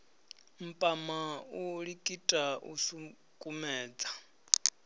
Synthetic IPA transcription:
m̩pʼamauɺikʼitʼaʔṵsu | kʼumɛːd͡za

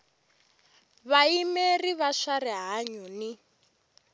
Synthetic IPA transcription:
βaimeriβaʃaɾɛɦaɲɔni

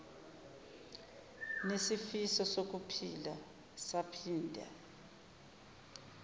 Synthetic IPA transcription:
nesifisɔsok̬upʰila | sapʰiːndʱa̰

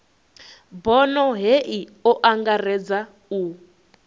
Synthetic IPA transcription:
bɔnɔɦeʔiɔʔaŋɡarɛd͡za | u

